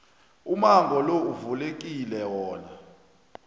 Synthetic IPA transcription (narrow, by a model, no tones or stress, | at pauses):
umaŋɡʱɔlouvulek̬ʼilɛwɔːna